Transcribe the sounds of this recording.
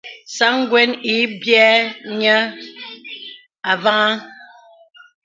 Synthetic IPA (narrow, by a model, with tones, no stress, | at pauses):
sa˦ŋ˦ɡwɛ˦ni˨˦bjɛ˦ɲə˦ | a˨va˦a˦